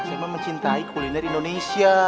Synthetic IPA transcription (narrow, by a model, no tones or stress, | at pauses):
samaməɲt͡ʃint̪aikulinaɾiindonesia